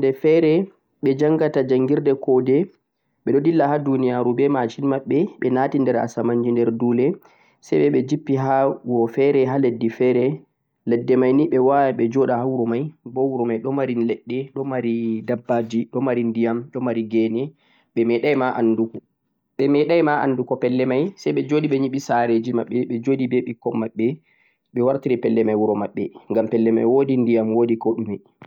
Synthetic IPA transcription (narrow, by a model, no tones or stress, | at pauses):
ndɛfɛɾɛ | ɓɛd͡ʒaŋɡatad͡ʒaŋɡiɾdɛkɔdɛ | ɓɛɗɔdilːahadunijaɾubɛmat͡ʃimaɓːɛɓɛnatindɛɾa̰samaɲd͡ʒindɛɾduːlɛ | sɛjɓɛɓɛd͡ʒipːiɦaɡɔfɛɾɛɦaledːifɛɾɛ | lɛdːɛmajniɓɛwajaɓɛd͡ʒɔɗahawɾɔmajbɔwɾɔmajɗɔmaɾilɛɗːɛɗɔmaɾidabːad͡ʒiɗɔmaɾindijamɗɔmaɾiɡɛnɛ | ɓɛmɛɗajmaʔandukɔ | ɓɛmɛɗajmaa̰ndukɔpɛlːɛmajsajɓɛd͡ʒodiɓɛɲiɓisaɾed͡ʒima̰ɓːɛɓɛd͡ʒodibeɓikɔmːaɓːɛ | ɓɛwaɾtiɾipɛlːɛmajwuɾɔmaɓːɛŋɡampɛlːɛma̰jwodindijamwoːdikɔɗumɛ